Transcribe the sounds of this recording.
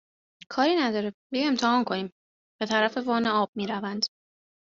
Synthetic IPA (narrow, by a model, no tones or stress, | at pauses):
kʰɒːɾiːnæd̪ɒːɾebejeːmt̪ʰehɒːnkʰo̞niːm | b̥e̞t̪ʰæɾæfe̞vɒːneɒːb̥̚miːɾævænd̪̥